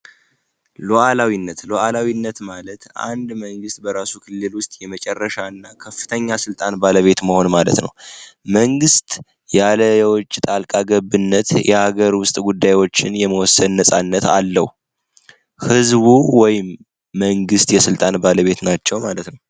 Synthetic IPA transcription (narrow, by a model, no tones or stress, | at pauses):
loʔalawinːət̪loʔalawinːət̪malət̪ʔa̰nd̪məŋɡɨst̪bəɾasukʰɨlːɨlwʊst̪ʼjɛmət͡ʃʼɛrːəʃaɨnːakʰəfːɨ̥t̪ʰəɲːasɨlt̪ʼanbaləβe̞t̪məho̞nmalə̰t̪nə̰wməŋɡɨst̪ʼ | jaləjɛwɔt͡ʃʼːt̪ʼalkʼaɡəβɨnːət̪jɛhaɡəɾwʊst̪ʼɡud̪ːajwot͡ʃːɪnjɛməwɔsːəd̪nəsʼa̰nːət̪alːəhu | hɨzβuwɔjɪmː | əŋɡɨst̪jɛsɨlt̪ʼanbaləβe̞t̪nat͡ʃːɛwmalət̪nəw